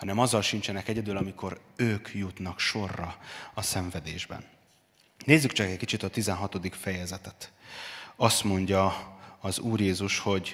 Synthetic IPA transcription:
hɒnɛmɒzːɒlʃint͡ʃɛnɛkɛɟɛd̪ylɒmikʰo̞ɾøːkʰjut̪nɒkʃo̞rːɒɒsɛɱvɛd̪eːʒbɛ̰nː | eːzːykt͡ʃɒkɛckit͡ʃit̪ɒt̪izɛnɦɒt̪o̞d̪ikfɛjɛzɛt̪ɛt̪ | ɒst̪mo̞ɲɟɒɒzuːrjeːzuʃho̞ɟ

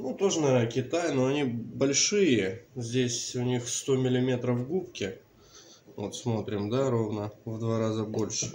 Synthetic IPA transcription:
nut̪o̞ʐɨnɐkʲɪt̪ajnoɐnʲibɐlʲʂɨjəzʲdʲesʲʊnʲixst̪o̞mʲɪlʲɪmʲe̞t̪ɾəfɡupkʲɪ | vo̞̰t̪smo̞t̪ɾʲɪmd̪aɾo̞vnəvd̪vaɾazəbo̞lʲʂɨ̥

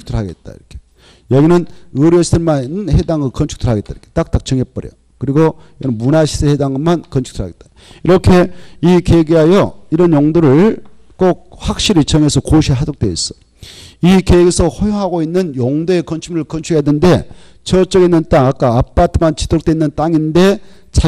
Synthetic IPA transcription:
u̥k̚tʰɯɭɦaɡe̞̰t̚t͈a̰ḭɾʌkʰe | jʌɡinɯnɯɾjʌsʰiɯɭmanhedaŋɯɭkʌnt͡ɕʰu̥k̚tʰɯɭɦaɡe̞t̚t͈a̰iɾkʰet͈ak̚t͈ak̚t͡ɕ͈ʌŋep͈ʌɾjʌ̰ | kɯɾiɡojʌɡinɯnmunaɕʰidʰɯhedaŋɯmankʌnt͡ɕʰu̥k̚tʰɯɾaɡet̚t͈a | iɾʌkʰe̞ikeɡiɦajʌiɾʌnjoŋdoɾɯɭ | k͈ok̚hak̚ɕ͈iɾit͡ɕʌŋe̞sʰʌkoɕʰiɦadok̚t͈eḭs͈ʌ̥ | ikeɡesʰʌhojoŋɦaɡoinːɯnjoŋdoe̞kʌnt͡ɕʰumɯɭkʌnt͡ɕʰuejadende̞ | t͡ɕʌt͡ɕ͈ʌɡinːɯntaŋak͈aːp͈atʰɯmant͡ɕi̥tʰok̚t͈weinːɯnt͈aŋinde̞ | t͡ɕʰa

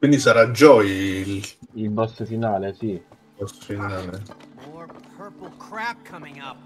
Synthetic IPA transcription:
kwind̪isaɾad͡ʒɔililbɔsəfinaːlesi | bɔsfinaːle | kʰɹ̃ʰŋ

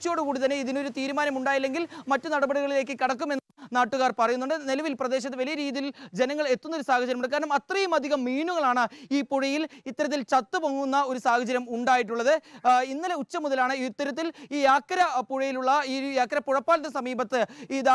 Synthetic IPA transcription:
t͡ɕːo̞ːɽukuːɽit̪ɐnːeiðino̞ɾut̪iːɾumaːnɐmuɳɖaːjilːe̞ŋɡilmɐtːɨnɐɽɐbɐɽiɣɐɭile̞ːkːɨkɐɽɐk̬ːume̞nːnaːʈːuɣaːrpɐrɐjunːuɳɖɨnelɐʋilprɐd̪e̞ːɕ̬ɐt̪ːeʋɐlijɐɾiːðijild͡ʑe̞nɐŋːɐɭe̞t̪ːunːɐoɾusaːhɐd͡ʑɐɾɐmuɽɐkːaːɾɐnumɐt̪rɐjumɐd̪ʱiɣɐmːiːnuɣɐɭaːɳɨiːpuɻɐjilit̪ːɐɾɐt̪̬ːilt͡ɕɐt̪ːɨpɐŋːunːɐo̞ɾusaːhɐd͡ʑɐɾɐmuɳɖaːjiʈ̬ːuɭːɐðɨinːiɐle̞ut͡ɕːɐmuðɐlaːɳɨit̪ːɐɾɐt̪̬ːiliːjaːkːɐɾɐpuɻɐjiluɭːɐiːjaːkːɐɾɐpuɻɐpːaːlt̪ːsɐmiːbɐt̪ːɨiːd̪a

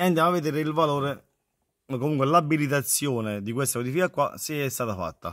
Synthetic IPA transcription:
eand̪jamavːed̪eːɾeilvaloːɾe | komuŋk̬welabilit̪̬at̪sːjoːned̪ikwest̪aod̪ifikakːwa̰siɛst̪aːt̪afa̰t̪ːa̰

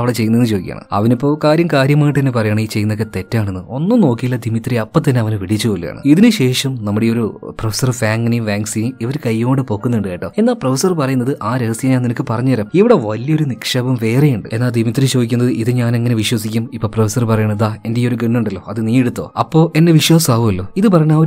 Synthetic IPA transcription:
ɐʋiɽet͡ɕe̞jːunɐenːɨt͡ɕo̞ːdikʲːa̰ːɳɐ̰ɨ̰ɐ̰ʋɐnipːo̞ːkaːɾjɐmkaːɾjɐmaːjʈːɨt̪ɐnːepɐrɐjaːɳiːt͡ɕejːunːokːet̪e̞tːaːɳenːɨo̞nːɨmno̞ːkːijilːɐd̪ʱimit̪riɐpːɐt̪̬ːɐnːe̞ɐʋɐnɨʋiɽit͡ɕːɨkolːṵja̰ːɳɨ̰iðinɨɕe̞ːʂɐmnɐmːuɽejoɾuprofe̥sɐrfaːŋɡnijimʋaːŋsinimiʋɐɾkɐjːoːɳɖɨpo̞ːkːunːiɳɖaːjiʈːo̰ːe̞nːaːlprofɐsɐrpɐrɐjunːɐðɨʔaːɾeɣɐsijɐɲaːninɐkːɨpɐrɐɲːuɐɾɐmiʋiɽe̞ʋɐlijɐo̞ɾunikʂɐbɐmʋe̞ːrejuɳɖɨ̰e̞nːaːld̪ʱimit̪rit͡ɕoːd̪ikʲːunːɐðɨʔiðɨɲaːne̞ŋːɐne̞ʋiɕwɐsikʲːumipːo̞ːprofɐsɐrpɐrɐjaːɳd̪aːe̞ndejo̞ɾuɡeɳːuɳɖɐlːo̞ːɐðɨniːeɽut̪ːo̞̰ːɐpːo̞ːʔe̞nːe̞ʋiɕwɐːsaːʋumɐlːo̞ːiðɨp̬ɐrɐɲːa

